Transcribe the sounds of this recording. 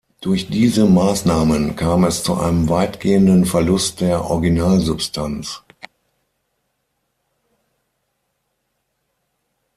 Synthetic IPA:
d̥ʊɐçd̥iːzəmaːsnaːmənkʰaːmɛst͡suʔa̰ɪnəmvaɪtɡ̥eːəndənfɛɐlʊst̚d̥eːɐʔɔ̰ɐɡinaːlzʊpstʰant͡s

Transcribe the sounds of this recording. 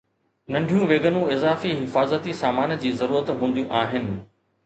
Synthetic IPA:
nɐ̃ɳɖʱijũʋeːɡənũɪzaːfiɦɪfaːzət̪isaːmaːnd͡ʑiːzɐɾuːɾət̪ɦũːn̆d̪ijũʔaːɦɪnɪ̆

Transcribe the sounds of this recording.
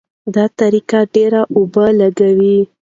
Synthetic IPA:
d̪ɑt̪aɾikaɖeɾaʔʊbəlaɡawi

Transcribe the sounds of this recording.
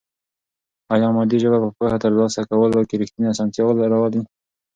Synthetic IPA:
ɑjɑmɑd̪iʒəbapəpohat̪əɾlɑsakawəlakeɾɪxt̪iniasɑnt̪jɑwəlaɾawɑli

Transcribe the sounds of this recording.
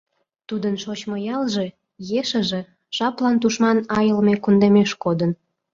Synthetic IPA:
t̪ud̪ənʃot͡ɕmojɑlʒe | jeʃə̆ʒe̽ | ʃɑplɑnt̪uʃmɑnɑjəlmekund̪emeʃkod̪ən

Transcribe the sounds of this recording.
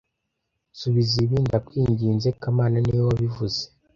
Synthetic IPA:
suβiziβiːndakwiːɲɟiːnze̞kamaːnaniwoβivuze̥

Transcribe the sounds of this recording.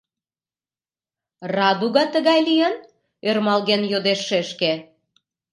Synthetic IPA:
rɑd̪uɣɑt̪əɣɑjlijən | ørmɑlɣenjod̪eʃːeʃke

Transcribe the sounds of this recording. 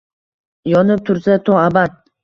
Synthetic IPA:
jɒnɪp̚t̪ʰʊɾsat̪ʰɔabat̪̚

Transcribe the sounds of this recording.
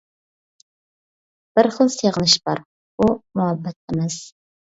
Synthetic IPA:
b̥ɨɾχəlˠseʁənɪʃbɑ̰ɾ | umʊhɛbːɛt̪̚ʰɪmɛz̥

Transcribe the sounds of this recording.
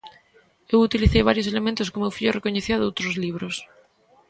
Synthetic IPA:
ewut̪iliθejβaɾjoselemẽnt̪oskomewfiʎorekoɲeθiaðowt̪ɾozliβ̞ɾos

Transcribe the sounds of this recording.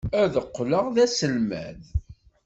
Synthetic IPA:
æðəqːləʁðæsəlmæ̰ð

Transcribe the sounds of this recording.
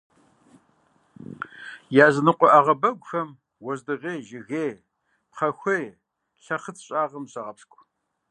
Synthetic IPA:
jaːzɨnɨqʷʼɔʔaʁɐbɐɡʷʊxɐm | wɔzdɨʁeːʒɪɣeː | pqʰɐxʷej | ɬɐχət͡sʰɕʼaːʁɐmɕɐʁɐpskʷʼ

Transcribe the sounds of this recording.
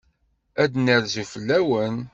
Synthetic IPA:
æd̪nəɾzufəlːæwən

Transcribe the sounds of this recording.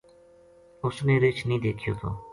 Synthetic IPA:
osneːɾet͡ʃʰniːd̪ekʰijo̰ːt̪ʰo̰ː

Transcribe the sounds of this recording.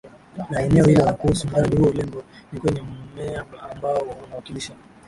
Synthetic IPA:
naɛnɛɔhilalakuhusum̩ɡaɾaɗihuɔulɛmbɔnikwɛɲɛmmɛaambaɔanawakiliʃa

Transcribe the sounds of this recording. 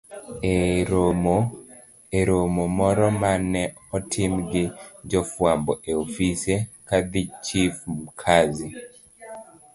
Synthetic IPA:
eɾomomɔɾɔmanɛ | ɔtʰimɡɪd͡ʒɔfwambɔʔeofisekad̪it͡ʃifmkʰazi

